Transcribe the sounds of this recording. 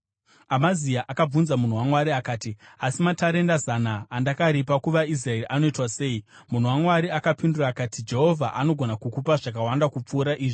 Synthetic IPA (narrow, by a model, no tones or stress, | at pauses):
amaziaʔakab͡vunzamun̤uwamwaɾiakaːtiasimataɾe̞ndazanaːndakaɾipakuʋais̬rae̞ɾiʔano̞itwase̞ːi | mun̤uwamwaɾiakapinduraːkaːtid͡ʒe̞ɦo̞vʱaʔano̞ɡʱo̞nakukupaʐak̬awandakup͡fuːɾaʔiːʐi